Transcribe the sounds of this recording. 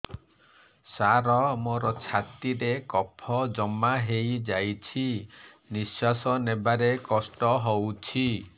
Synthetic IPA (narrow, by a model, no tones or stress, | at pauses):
saɾɔmoɾɔt͡ʃʰat̪iɾekɔpʰɔd͡ʒɔmaɦejd͡ʒajt͡ʃʰi | nisasɔnebaɾekɔsʈɔɦowt͡ʃʰi